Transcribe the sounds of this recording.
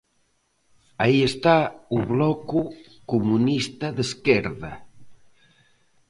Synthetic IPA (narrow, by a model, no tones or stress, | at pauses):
aiest̪auβlɔku | kumunist̪ɐðeskɛɾðɐ